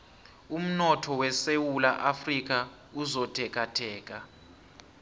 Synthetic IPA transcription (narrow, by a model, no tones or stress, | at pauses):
um̩nɔtʰɔwɛsewulaʔafrik̬ʼa | uzɔtʼʰɛk̬ʼatʰɛːk̬ʼa